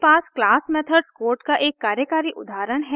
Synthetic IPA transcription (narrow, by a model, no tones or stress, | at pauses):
paːsklaːsmɛːt̪ʰəɖskoːɾʈkaʔeːkːaːɾjəkaːɾiʔʊd̪aːɾəɽ̃ɦɛ